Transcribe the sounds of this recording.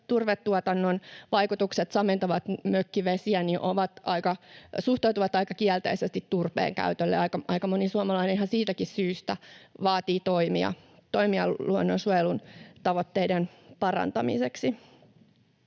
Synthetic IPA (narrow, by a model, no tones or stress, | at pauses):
t̪urʋet̪ːuot̪ɑnːonʋɑikut̪ukset̪sɑment̪ɑʋɑt̪møkːiʋesiæniʔoʋɑt̪ʔɑikɑsuht̪ɑuwt̪uʋɑt̪ɑikɑkiɛlt̪ḛisest̪it̪t̪urpḛːŋkæ̰yt̪ølːḛɑikɑʔɑikɑmonisuɑmɑlɑinenhɑsiːt̪ækissyːst̪æʋɑːt̪iːt̪oimiɑ̰t̪oimiɑluonːonsuojelunt̪ɑʋot̪ːeidenpɑrɑ̰nt̪ɑmḭseksi